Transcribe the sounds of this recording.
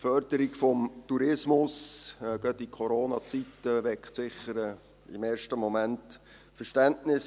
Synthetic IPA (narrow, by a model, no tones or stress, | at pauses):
fœrd̥əɾikfɔmtuɾɪsmʊsɡ̥œtikʰɔɾoːnɑt͡sitːəʋɛkχtsɪχːəɾə | ɪ̰meːrʃtəmɔmænt | fəɾʃtæntnɪs